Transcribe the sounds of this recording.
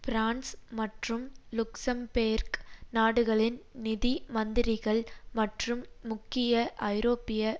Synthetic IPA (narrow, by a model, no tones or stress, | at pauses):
pɾaːnsmɐʈrɯmlʊksɐmpeːɾknaːɽɯɣɐɭɪnnɪðimɐnd̪ɪɾɪɣɐɭmɐʈrɯmːʊkːɪjɐʔɐɪɾoːpɪjɐ